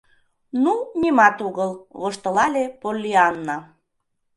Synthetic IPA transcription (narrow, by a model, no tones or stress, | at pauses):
nunʲimɑt̪uɣəlβoʃt̪ɤ̆lɑlʲepolʲːiɑnːɑ